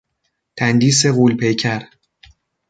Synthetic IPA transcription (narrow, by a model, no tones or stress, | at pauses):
t̪ʰænd̪iːs̬e̞ɣuːlpʰe̞jcʰæɾ